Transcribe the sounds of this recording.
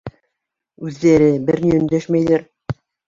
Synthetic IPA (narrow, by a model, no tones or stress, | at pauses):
ʉðːæɾɘbɘɾniɵ̆nd̪æʃmæjðɘɾ